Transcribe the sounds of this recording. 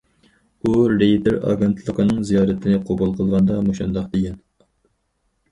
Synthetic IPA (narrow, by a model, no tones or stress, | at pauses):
uɾejt̪eɾɑ̰ɡent̪ʰlˠəqʰənɨŋzijɑːɾɨt̪ʰɪnɪqʰobulˠqʰəlˠʁɑnd̪ɑmoʃund̪ɑqd̪ɪɡʲɛn